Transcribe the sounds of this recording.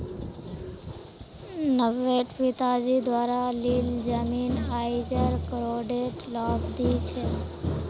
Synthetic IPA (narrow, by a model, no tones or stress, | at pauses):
nəʋeʈpit̪ad͡ʒid̪ʋaɾalild͡ʒəminɦaid͡ʒəɾkɾoɖeʈlɔbd̪it͡ʃʰe